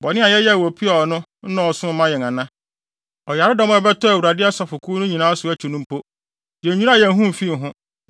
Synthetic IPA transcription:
bɔ˨nɪ̃˦a˨jɛ˦jɛ˦˨wo˨pʰi˦ɔ˨nʊ̃˦n̩˦nã˨ɔ˨sʊ̃˦m̩˦mã˦jɛ˨ŋã˨nã˦ | ɔ˨ja˨ɾɪ˦dɔ˦m̃˦ɛ˨bɛ˦tʰɔ˦æ˨u˨ɾa˨dɪ˦a˦sa˨fʊ˨kʰuː˦nʊ̃˦ɲĩ˨nãː˦sʊ˨˦æ˦t͡ɕʰi˨nʊ̃˦m˦pʰo˦ | jɛ˨˦ɲũ˦ã˦˨jɛ˨˦ɦũ˦m̩˨fi˦˨ɦʊ̃˦

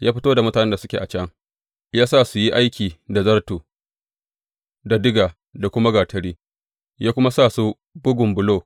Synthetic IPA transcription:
jaː˦ɸɪ˦toː˦da˨mʊ˦taː˨nɛ˦nda˨sʊ˦kʲḛ˨ʔa˨t͡ʃɐ˦ŋ | jaː˦sa˦˨su˨ji˦ʔa˦jkʲiː˨da˨zɐ˦rtuː˨ | da˨dɪ˦ɡaː˨ | da˨kʷʊ˦ma˦ɡaː˨tʰɐ˨ɽiː˦ | jaː˦kʷʊ˦ma˦saː˦˨su˦ | bʊ˦ɡʷʊ˨mbʊ˨loː˦˨

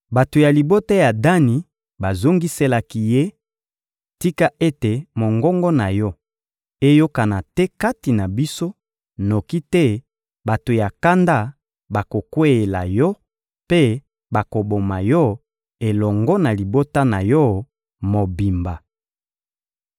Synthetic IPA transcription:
ba˨to˨ja˨li˨bo˦ta˦ja˨da˦ni˨ | ba˨zo˦ŋɡi˦se˦la˦ki˦je˦ | ti˦ka˦ʔe˦te˨mo˨ŋɡɔ˦ŋɡɔ˦na˨jɔ˦ | e˦jo˦ka˨na˨tɛ˦ka˦ti˨na˨bi˦so˦ | no˨ki˦tɛ˦ | ba˨to˨ja˨ka˦nda˦ | ba˨ko˨kwe˦e˨la̰˨jɔ˦ | pe˦ | ba˨ko˨bo˨ma˨jɔ˦ | e˨lɔ˨ŋɡɔ˦na˨li˨bo˦ta˦na˨jɔ˦ | mo˨bi˨mba˨

